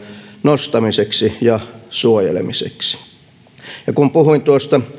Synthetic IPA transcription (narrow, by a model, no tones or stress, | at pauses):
nost̪ɑmiseksijɑsuojḛlḛmisḛksi̥ | jɑkumpuhuint̪uost̪ɑ